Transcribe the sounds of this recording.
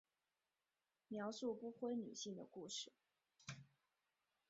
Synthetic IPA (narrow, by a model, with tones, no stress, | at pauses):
mjɑ˧˥ʊʂu˥˧pu˥˧xwe˥ɪny̰˨˩ɕi˥˩ŋd̪ə̰˩ku˥˧ʂɻ̩˥˩